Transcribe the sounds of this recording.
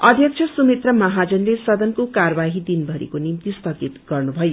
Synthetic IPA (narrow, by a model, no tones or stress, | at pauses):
ʌd̪ʱjʌk̚t͡ʃʰʌsumet̪rʌmʌɦad͡zʌnɾesʌd̪ʌnkokarbaɦid̪inbʱʌɾḭkonimt̪ist̪ʌɡit̪ɡʌrnubʱʌjo